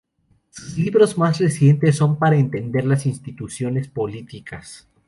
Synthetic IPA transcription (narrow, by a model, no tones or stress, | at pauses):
suzliβɾo̞zmasre̞sje̞nt̪e̞s̬ːo̞mpaɾaent̪e̞nd̪e̞ɾlasinst̪it̪usjo̞ne̞spo̞lit̪ikʰas